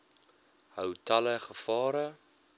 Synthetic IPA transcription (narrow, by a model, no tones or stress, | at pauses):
həwtɐləχəfɑːɾə